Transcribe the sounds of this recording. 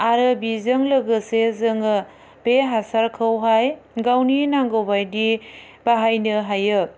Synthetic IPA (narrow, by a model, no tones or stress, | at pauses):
aɾɯbizɯŋlɐɡɯsezɯŋɯ | b̥eɦasaɾkʰɯwɦajɡawninaŋɡowbajdi | baɦajnɯɦajɯ